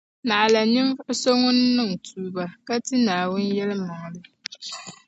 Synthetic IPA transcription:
na˨ʔa˨la˨ɲɪ˦m˦so˦ŋʊ˦nː˦ɨ˦ŋ˨tʰuː˨ba˨ka˦ti˦naː˨wʊ˦njɛ˦lɨ˦ma˨ŋ˨lɨ˦

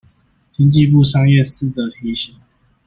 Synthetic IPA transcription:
t͡ɕi˦nt͡ɕi˥˧pu˥˨ʂɑ˥ŋjɛ˥˨sɹ̩˥˨t͡sə˨˩t̪ʰi˨˧˦ɕi˨˩˦ŋ

